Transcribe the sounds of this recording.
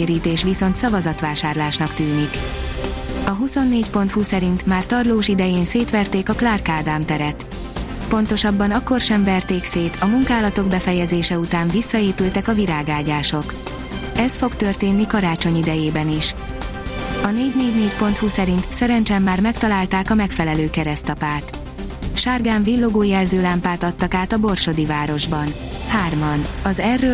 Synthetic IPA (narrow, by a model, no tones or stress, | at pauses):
ɾiːt̪eːʃʋiso̞nt̪sɒvɒzɒt̪ʋaːʃaːrlaːʃnɒkt̪yːnik | ɒɦuso̞nːeːɟpo̞nt̪husɛɾint̪maːrt̪ɒrloːʃid̪ɛjeːnseːt̪ʋɛrt̪eːkɒklaːrkaːd̪aːmt̪ɛɾɛt̪ | po̞nt̪o̞ʃɒbːɒnɒkːo̞rʃɛɱvɛrt̪eːkseːt̪ɒmuŋkaːlɒt̪o̞ɡbɛfɛjɛzeːʃɛut̪aːɱvisːɒeːpylt̪ɛkɒviɾaːɡaːɟaːʃo̞k | ɛsfo̞kt̪ørt̪eːnːikɒɾaːt͡ʃo̞ɲid̪ɛjeːbɛniʃ | ɒneːɟneːɟneːcpo̞nt̪husɛɾint̪sɛɾɛnt͡ʃɛmːaːrmɛk̚t̪ɒlaːlt̪aːkɒmɛkfɛlɛløːkɛɾɛst̪ɒpaːt̪ | ʃaːrɡaːɱvilːo̞ɡoːjɛlzøːlaːmpaːt̪ɒt̪ːɒkaːt̪ɒbo̞rʃo̞d̪ivaːɾo̞ʒbɒn | haːrmɒnɒzɛrːøː